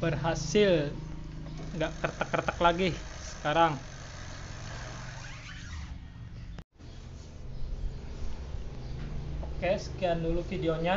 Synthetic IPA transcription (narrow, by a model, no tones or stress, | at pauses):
bərɦasɪl | ŋɡaʔkərt̪əkːərt̪əklaɡihsə̥kaɾaŋ | kɛskianulufideoɲa